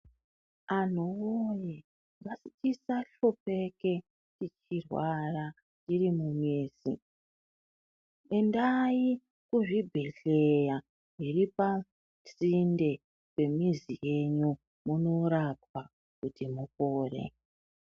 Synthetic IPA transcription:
an̤uwoje | ʋasitisaɬo̞pe̞ke̞ | tit͡ʃirwara | t͡ʃirimumiːzḭ | endaji | kuʐibʱe̞ɬe̞ja | iripa | sinde̞ | kwe̞mizije̞ɲu | muno̞ɾapwa | kutimukoːrḛ

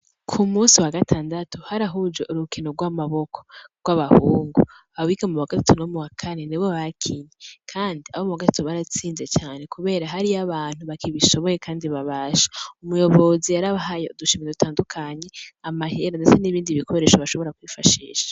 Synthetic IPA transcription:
kʰumuːsiwaɡatʰaːndatuhaɾaɦud͡ʒoʔuɾukinoɾɡwamaβo̞kʰo̥ɡwaβahuːŋɡu | βawikamuβaɡatatuno̞muwakʰane̞niβwoβaɾkʰinikʰaːndiaβomuβaɡatḁtuβaɾat͡siːnze̞t͡ʃaːnekuβe̞ːɾaɦaɾiaβaːn̥huβakʰiβiʃo̞βo̞je̞kaːndiβaβaːʃḁumujo̞βo̞zijaɾaβaɦajouduʃimiedutʰaːndukʰaɲe̞amaheɾondet͡seniβiːndiβikʰo̞ɾe̞ːʃaβaʃo̞βo̞ɾakwifaʃḭːʃḁ

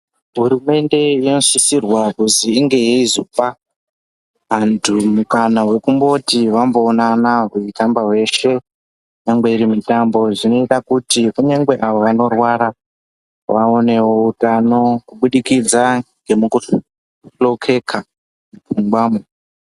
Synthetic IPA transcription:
ɦuɾume̞nde̞ino̞sisirwakuziːŋɡe̞jeizopa | ʋantʰumukanawe̞kumbo̞tiʋambo̞ːnanaɦuikambawe̞ʃe̞ | uɲaŋɡwe̞iɾimitambo̞ʐino̞itakutikuɲeŋɡwe̞ʔaʋoʋano̞rwaɾa | ʋaone̞wo̞utano̞kuɓuɗikid͡zaŋɡe̞muku | ɬo̞kʰe̞kʰa | mupuŋɡwaːmu

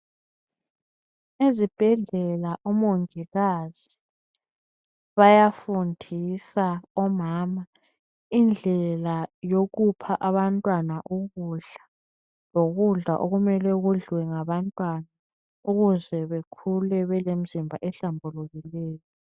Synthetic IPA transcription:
ezib̥ʱɛɮɛlaʔɔmoŋiɣaz̥i | βajafundʱisaɔmaːma | ind͡ɮʱɛlajoɣupʰaʔaβantʼwanaʔuɣuɮa | loɣuɮa̰ʔoɣumɛlɛɣuɮwɛŋaβantʼwana | uɣuzɛβekʰulɛβɛlem̩zimbʱaʔɛɬambʱuluɣilɛːjɔ

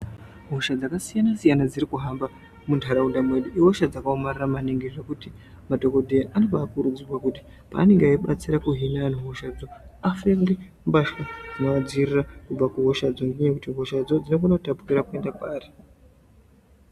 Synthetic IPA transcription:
ɦoʃad͡zakasijanasijanad͡ziɾikuɦamba | muntʰaɾaundamwe̞ɗiʔiɦoʃad͡zakaomariramaneŋɡeʐekuti | madʱo̞ko̞dʱeʔano̞paːkuɾud͡zirwakuti̥ | pa̰ːne̞ŋɡeaiɓat͡siɾakuɦinan̤uɦoʃad͡zo̞afeŋɡe | mbaʃwad͡zinoad͡zirirakub͡vakuɦo̞ʃad͡zondeɲekutiɦo̞ʃad͡zo̞d͡zino̞fonautapu̥kiɾakue̞ndapaːri

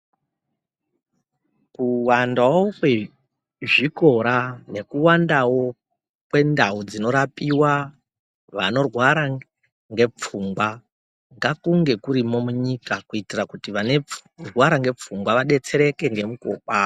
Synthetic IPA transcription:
kuwandawokwe | ʐiko̞ɾane̞kuwandawo | kwe̞ndaud͡zino̞ɾapiwa | ʋano̞rwaɾa | ŋɡe̞p͡fumɡwa | ŋɡakuŋɡe̞kuɾimo̞muɲikakuitirakutiʋanerwaɾaŋɡe̞p͡fumɡwaʋaɗe̞t͡se̞ɾe̞ke̞ŋɡe̞muko̰ɓa

